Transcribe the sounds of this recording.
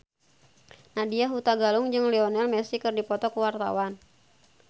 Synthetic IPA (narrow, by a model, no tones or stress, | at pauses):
nadiaɦut̪aɡaluŋd͡ʒɨŋlɛɔnɛlmɛsikɨrdipɔt̪ɔkuwart̪a̰wan